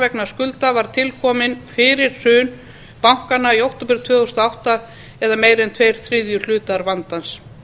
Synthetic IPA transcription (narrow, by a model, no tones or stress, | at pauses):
vɛknḁskʏlt̪avaɾ̥t̪ʰɪlkʰɔːmɪnfɪːɾɪɾ̥r̥ʏːn | pawŋ̥kanːaiowht̪ouwpɪɾ̥t̪ʰvœːɣust̪aawht̪a | ɛðameːjɾɛnt̪ʰveːjɾ̥θɾɪðjʏl̥ʏːt̪aɾvant̪ans